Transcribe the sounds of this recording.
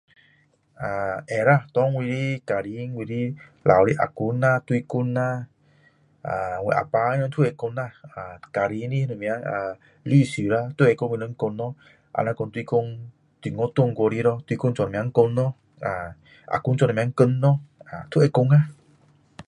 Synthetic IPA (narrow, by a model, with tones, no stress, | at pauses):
a˨ʔɛ˨ɾa˧˨t̪ɔ˧˦ŋwi˧ɾi˦ka˨ɾi˧˦ŋ˦wi˧ɾi˦lʔa̰˨wɾi˦˧˦ʔa̰˨ku˧˦na˧t̪wi˧ku˧na˧ | a˨ŋwɛ̰˧˨ʔa̰˨pa˧˦nɔ˧n˦t̪ʰu˦e˨˧˨ko˧na˧a˨ka˨ɾi˧˦n˦i˦nu˨mĩ˧a˧˦a˨ | li˦˧˨si˨ɾa˧t̪e˦˧e˨˧˨ko˧˦ŋwi˧ɔ˧˦ŋ̩˦ko˧nɔ˦ | ʔa̰˧˨na˧ko˧nt̪i˧ko˧ŋ | t̪i˧˨ŋɔ˧˦t̪o˦˧˨ŋ˦ko˧ɾi˧˦ɾɔ˧t̪u˧i˧ko˧ŋt͡ʃɔ˧n˨mĩ˧a˧˦ŋ̩˦ko˧nɔ˦ | a˨ | a̰˨ku˧˦nt͡ʃɔ˧˨nɔ̃˨˧˦ŋ̩˦kə˧nːɔ˦a̰˨t̪ʰu˦e˨˧˨ko˧ŋa˦˨